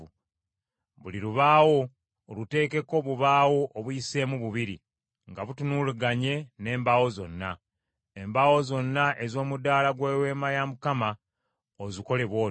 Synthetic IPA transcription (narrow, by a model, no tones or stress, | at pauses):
βuliɾuβaːwo̞ː | lute̞ːke̞ko̞βuβaːwo̞ʔːβujise̞ːmuβuβiɾḭ | ŋɡaβutunuluɡaɲe̞ne̞ːmbawo̞zo̞nːa | embawo̞zo̞nːaʔe̞zo̞ːmudaːlaɡwe̞ːwe̞ːmajamukama | oziko̞le̞βwo̞ː